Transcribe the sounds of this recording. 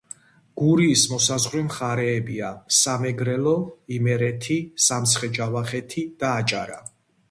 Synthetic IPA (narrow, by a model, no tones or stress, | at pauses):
ɡ̥uɾiːsmɔsazʁɾɛmχaɾɛːbiasamɛɡɾɛlɔimɛɾɛt̪ʰisamt̪sʰχɛd͡ʒavaχɛt̪ʰid̪̥aːt͡ʃʼa̰ɾa̰